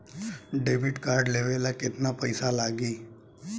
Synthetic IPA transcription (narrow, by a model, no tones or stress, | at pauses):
ɖeːbʱɪʈkaːɾɖleːʋelakɪt̪napəɪsalaːɡiː